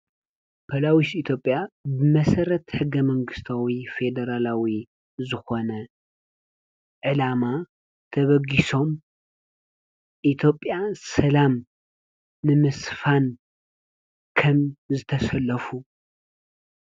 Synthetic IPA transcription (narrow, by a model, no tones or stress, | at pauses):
pʰɐlawisit̪ʰjo̞pʼːjabɨmɐsɐɾɐt̪ħɨɡːɐmɐŋɡɨst̪ʰawife̞d̪ɐɾalawi | zɨxo̞nɐ | ʕɨlama | t̪ʰɐβɐɡiso̞m | ʔit̪ʰjo̞pʼːjasɐlamː | ɨmɨsfan | kʰɐmzɨt̪ʰɐsɐlːɐfu